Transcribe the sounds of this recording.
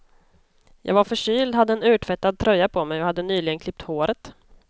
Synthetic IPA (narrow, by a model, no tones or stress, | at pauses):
jʔɑ̰ːɡvaɾfœʂyːld̪had̪ːəɛnʉ̟ːʈʰvɛt̪ːad̪̚t̪ʰɾœjːapʰɔmɛjɔhad̪ːənyːlɪɡənkʰlɪp̚t̪hoːɾət̪